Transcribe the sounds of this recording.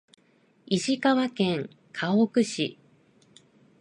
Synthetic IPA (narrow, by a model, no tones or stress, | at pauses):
iʑikaβakẽ̞ŋ | kʰaokɯ̟ɕḭ